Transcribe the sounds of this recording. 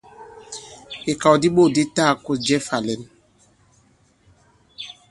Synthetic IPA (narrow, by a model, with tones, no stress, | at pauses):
e˨ka˨wdi˦ɓo˦˨di˦ta˦˨kʊ˦sd͡ʒɛ˦fa˨lɛ˨˦n˦